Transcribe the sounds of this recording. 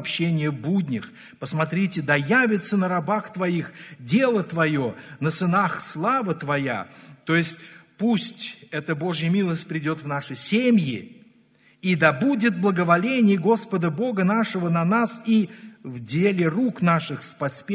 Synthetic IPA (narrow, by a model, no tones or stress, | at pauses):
pɕːenʲɪjəbudʲnʲɪx | pəsmɐt̪ɾʲitʲɪd̪ɐjavʲɪt̪sənəɾɐbaxt̪vɐixdʲe̞lˠət̪vɐjo̞nəsɨnaxslˠavət̪vɐja̰t̪o̞jɪsʲt̚ʲpusʲtʲɛt̪əbo̞ʐjəmʲilˠəsʲt̚ʲpɾʲɪdʲo̞t̪vnaʂɨsʲemʲjɪ | id̪ɐbudʲɪt̪̚blˠəɡəvɐlʲenʲɪjəɡo̞spəd̪əbo̞ɡənaʂəvənɐnasivdʲelʲɪruknaʂɨxspɐsʲpʲ